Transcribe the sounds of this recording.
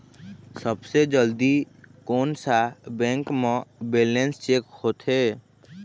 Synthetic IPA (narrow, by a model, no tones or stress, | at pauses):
səbsed͡ʒəld̪i | koːnsabɛ̃ːŋkmẽbeːlẽnst͡ʃeːkhoːt̪ʰɦe